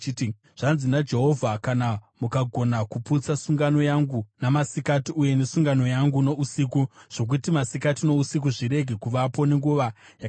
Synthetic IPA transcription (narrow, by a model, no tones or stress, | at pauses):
t | ʐ̥anzinad͡ʒe̞ɦo̞vʱakanamukaɡʱo̞nakuput͡sasuŋɡano̞jaŋɡunamasikatiuje̞nesuŋɡano̞jaŋɡuno̞usikuʐ̥o̞k̬utimasikatino̞usik̬uʐiɾe̞ɡʱe̞kuʋapo̞ne̞ŋɡuʋajak